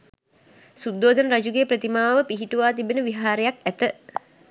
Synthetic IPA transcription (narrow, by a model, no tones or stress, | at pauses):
sud̪ːoːd̪ənəɾad͡ʒuɡeːpɾət̪imaːʋəpiɦiʈuʋaːt̪ibenəʋiɦaːɾejak̚æt̪ə